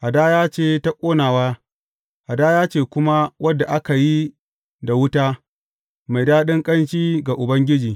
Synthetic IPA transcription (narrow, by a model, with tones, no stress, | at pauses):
ʔa˨daː˦jaː˦t͡ʃeː˦˨ta˦kʷʼoː˦naː˨waː˦ | ʔa˨daː˦jaː˦t͡ʃeː˦˨kʷʊ˦ma˦wʔɐ˦da˨ʔa˦ka˨ji˦ | da˨wʊ˦taː˦ | ma˨jdaː˦ɗɪ˦ŋkʼɐ˦nt͡ʃiː˦ɡa˨ʔʊ˨bɐ˦ŋɡʲɪ˦d͡ʒiː˨